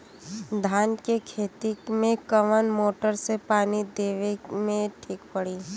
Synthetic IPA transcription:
d̪ʱaːnkekʰeːt̪imẽkəʋənmoːʈəɾsepaːnid̪eːʋemẽʈʰiːkpəɽiː

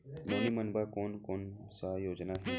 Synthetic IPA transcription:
nɐlimɐnbaːkoːnkoːnsaːjoːd͡ʒnaɦi

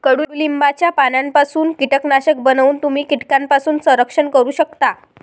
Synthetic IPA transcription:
kəɽuːɽuːlimbat͡ɕjapanampasuːnkiʈəknaɕək̚bənuːnt̪umiːkiʈ̪kampasuːnsə̃ɾəkʂənkəɾuːɕəkt̪a

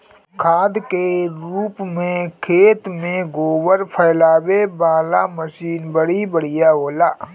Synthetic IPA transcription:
kʰaːd̪keɾuːpmẽkʰeːt̪mẽɡoːwəɾpʰəːlaːwebaːla̰məʃiːnbəɽibəɽɪjaɦoːlaː

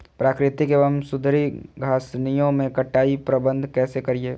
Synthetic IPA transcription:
pɾaːkɾɪt̪ɪkeəmsʊd̪ʱɾiɡʱaːsnijõmẽkɐʈːaːipɾɐbə̃nd̪ʱkɛːsekɐɾieː

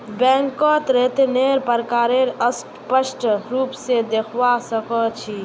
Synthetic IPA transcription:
bɛ̃ŋkɔt̪ɾet̪eneɾpəɾkaɾeɾəsʈpəsʈɾuːpsed̪ekʰʋasəkət͡ʃʰi

